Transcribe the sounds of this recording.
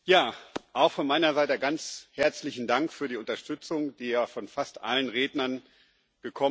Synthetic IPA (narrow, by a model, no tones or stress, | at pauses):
jaːʔaʊxfɔnmaɪnɐzaɪtəɡant͡shɛɐt͡slɪçn̩daŋkfyːɐɾiːʊntɐʃtʏt͡sʊŋd̥iːjaːfɔnfastʔa̰lənʁeːdnɐn | ɡ̥əkʰɔ